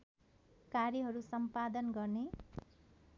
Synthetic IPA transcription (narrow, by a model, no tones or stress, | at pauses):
kaɾjʌɦʌɾusʌmpad̪ʌnɡʌrne